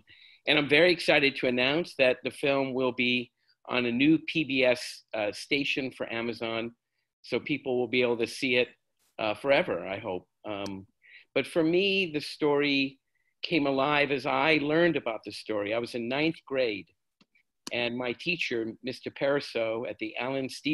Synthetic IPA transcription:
ʔɨ̃ñãɪ̃ɱvɛɹiɨksaɪɾɨd̚tʰɨɨnãʊ̃nsðɨt̪̚ðɨfɪlˠmwɪlˠbi | ʔə̰̃nɨnʉpʰibiɛssteɪʃɨ̃nfə˞ʔæmɨzɑ̃n | soʊpʰipl̩ˠwɪl̩ˠbieɪbl̩ˠtɨsiɪt̚ | ʔfə˞ɛvə̰˞a̰ɪɦoʊp̚ | b̥ʌtfə˞miðɨstɔɹi | kʰẽɪ̃məlaɪvɨzaɪlɜ̃˞ndɨbaʊt̪̚ðɨstɔɹiaɪwʌzɨ̃nːãɪ̃nθɡ̥ɹeɪd | ʔɨ̃nmaɪtʰit͡ʃə˞mɪstə˞pʰɛɹɨsoʊɨt̪̚ðiʔælˠɨ̃nsti

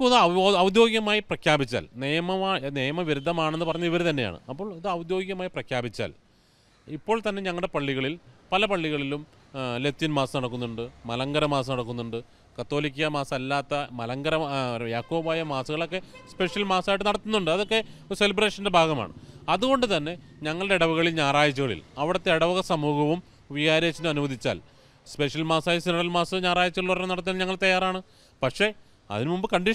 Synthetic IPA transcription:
kːðɐʋɐd̪jo̞ːɡjɐmaːjiprɐkʰjaːbit͡ɕːa̰ːlnejɐmɐaːneːjɐmɐʋiɾud̪ʱːɐmaːɳe̞nːɨpɐrɐɲːɐʋiʋɐɾet̪ɐnːe̞ja̰ːɳɨ̰ɐpːo̞ːɭiðɨɐʋɐd̪jo̞ːɡjɐmaːjiprɐkʰjaːbit͡ɕːa̰ːl | ipːo̞ːɭt̪ɐnːe̞ɲɐŋːɐɭɽe̞pɐɭːiɣɐɭilpɐlɐpɐɭːiɣɐɭilum | let̪ːinmaːsɐnɐɽɐkːunːuɳɖɨmɐlɐŋɡɐɾɐmaːsɐnɐɽɐkːunːuɳɖɨ | kɐt̪ːo̞ːlik̬ʲːijɐmaːsɐmɐlːaːt̪ːɐmɐlɐŋɡɐɾɐjaːkːo̞ːbaːjɐmaːsuɣɐɭo̞kːe̞spe̞ʂjɐlmaːsaːjʈːɨnɐɽɐt̪ːunːuɳɖɨɐðo̞kːe̞oɾuse̞libre̞ːʂɐnde̞bʱaːɡɐma̰ːɳɨ̰ɐðuɣo̞ɳɖɨt̪ɐnːe̞ɲɐŋːɐɭɨɽeiɽɐʋuɣɐɭilɲaːraːjɐt͡ɕːuɣɐɭḭlɐʋiɽɐt̪ːe̞iɽɐʋɐɣɐsɐmuːhɐʋum | ʋiɣaːɾeːt͡ɕːundɨɐnuʋɐðʱit͡ɕːa̰ːl | spe̞ʂjɐlmaːsaːjɐsinɐɽɐlmaːsɨɲaːraːjɐt͡ɕːuɐɣɐɭornɐɽɐt̪ːnːɲɐŋːɐɭt̪ɐjaːɾaːɳɨ | pɐkʂe̞ | ɐ̰ðinɨmumbɨkɐɳɖi

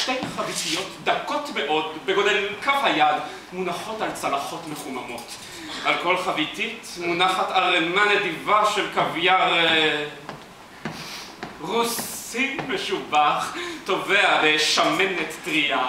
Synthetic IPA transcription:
ʃtejχavitijo̞tdakotmeʔo̞d̪beɡod̪elmkafhajad | munaχo̞talt͡salaχo̞tmeχumamo̞t | ʔalko̞lχavititmunaχataʁemanedivaʃelkavjaʁ | ʁusimeʃubaχto̞vealeʃamenet̪dʁia

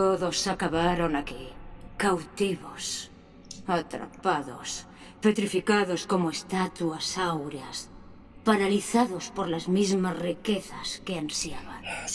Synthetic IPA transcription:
t̪oðosakaβaɾonakikawt̪iβos | at̪ɾa̰paðo̰s | pet̪ɾifikaðoskomoest̪at̪uasawɾeas | paɾaliθaðospoɾlazmizmazrikeθaskeansjaβan

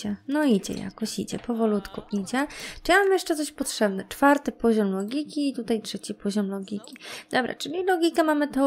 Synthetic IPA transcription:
ɛnɔid͡ʑɛ̰ja̰kɔɕḭd͡ʑɛ̰pɔvɔlut̪kuid͡ʑɛʈ͡ʂɨjamamjɛʂt͡ʂɛt̪sɔɕpɔtʂɛbnɛt͡ʂfaɾt̪ɘpɔʑɔmlɔɡʲikʲiːt̪ut̪ajtʂɛt͡ɕipʰɔʑɔmlɔɡʲikʲid̪̥ɔbɾa̰t͡ʂɘlʲilɔɡʲikɛmamɘt̪ɛ

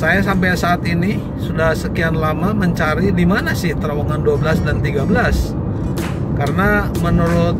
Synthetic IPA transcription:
sajas̬ampajsaːt̪ini | sudahsəkianlamaməɲt͡ʃaɾidimanasɪht̪əɾawaŋanduabəlasdant̪iɡabəlas | kaɾəna | mənuɾʊt̪̚

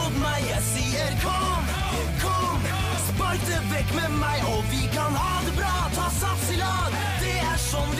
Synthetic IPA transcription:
ʊt̪mæɪjæɪsiːəɾkʰɔ | m | kʰɔm | spɔɾt̪əʋɛkːmɛmæɪʔɔʋɪkʰɑnhɑd̪əbɾɑːt̪ʰɑːsɑt̪sɪlɑːd̪ | d̪̥ɛæʂɔnd

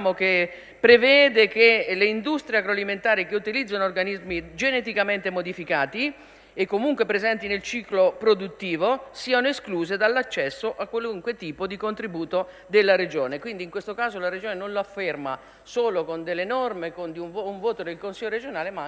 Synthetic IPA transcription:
mok̟e | pːɾevɛːd̪ekeleind̪ust̪ɾjeakɾoaliment̪aːɾikeut̪ilid̪zːanoːrɡanizmid͡ʒenet̪̬ikament̪emod̪ifikaːt̪i | ekːomuŋkwepɾezɛnt̪inelt͡ʃiːklopɾod̪ut̪ːiːvosiːanoeskluːzed̪alːat͡ʃːɛsːoʔakːwaluŋkwet̪iːpod̪ikont̪ɾibuːt̪o | d̪elːaɾed͡ʒoːnekwind̪iŋkwest̪okaːzolaɾed͡ʒoːnenonloafːerma̰ | soːlokond̪elːenɔrmekond̪iunvuɱvoːt̪od̪elkonsiʎːoɾed͡ʒonaːlema

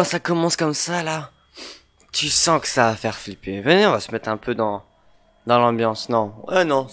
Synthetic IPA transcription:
sakɔmɑ̃skɔmsala | t̪ʰysɑ̃kə̥saːfɛʁflipevəneɔ̃vasə̥mɛt̪χɛ̃pʰød̪ɑ̃ | d̪ɑ̃lɑ̃bjɑ̃snɔ̃ɛnɔ̃

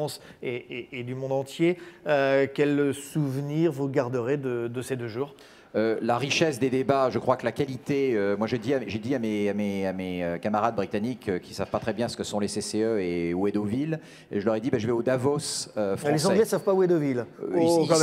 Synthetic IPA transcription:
ɑ̃s | eeːd̪ymɔ̃d̪ɑ̃t̪jeøkʲɛlsuvniʁvuɡaʁd̪əʁed̪əd̪əsed̪øʒuːʁ | ølaʁiʃɛsd̪ed̪ebaʒəkχwakəlakalit̪eømwaʒed̪iaʒed̪iameameameøkamaʁad̪̚bʁit̪anikøkʲʰi̥sav̥pat̪χɛbjɛ̃sə̥kəsɔ̃leseseøewed̪ovil | ḛʒəlœʁɛd̪ibaʒəvɛod̪avosøfχl̃eszɑ̃ɛɡlɛsavpawed̪ovilk

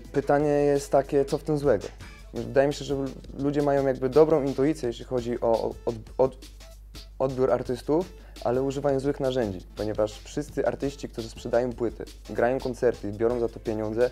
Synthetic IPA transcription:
pɘt̪aɲɛjɛst̪ːakʲɛt̪sɔft̪ɘmzwɛɡɔ̰ | vɘd̪ajɛmʲiɕɛʐɛlud͡ʑɛmajɔ̃w̃jaɡbɘd̪ɔbɾɔ̃w̃int̪ujit̪sʲjɛjɛɕlʲixɔd͡ʑiʔɔ̰ɔɔ | ʔɔd̪bʲjuɾaɾt̪ɘst̪uf | ʔa̰lɛuʐɘvajɔ̃zwɘxnaʐɛɲd͡ʑḭpɔɲɛvaʂfʂɘst̪sɘʔa̰ɾt̪ɘɕt͡ɕikt̪uʐɘspʂɛd̪ajɔ̃w̃pwɘt̪ʰɛ̰ | ɡɾajɔ̃w̃kɔnt̪sɛɾt̪izbʲjɔɾɔ̃w̃zat̪ɔpʲjeɲɔnzɛ

